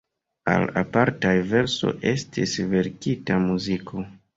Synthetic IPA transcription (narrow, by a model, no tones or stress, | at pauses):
a̰la̰paɾtajve̞ɾso̞̰ʔe̞stisve̞ɾkitamuzikʰo̞